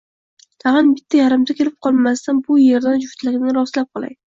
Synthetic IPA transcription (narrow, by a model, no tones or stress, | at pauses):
t̪ʰɑʁɨnbɪt̪ʰːajaɾɪmd̪akʲʰeɾɪp̚qʰɒlˠmast̪anbʊje̞ɾd̪and͡ʒʊft̪lɪɡʲnɪɾɒslap̚qʰɒlˠa̰j̪ɪ